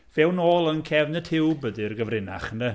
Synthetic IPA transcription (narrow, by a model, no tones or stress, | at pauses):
v̥ɛwnoːlˠənkʰɛvnəd̥ʰhɪwbədɨrɡəvrɪna̰χəndə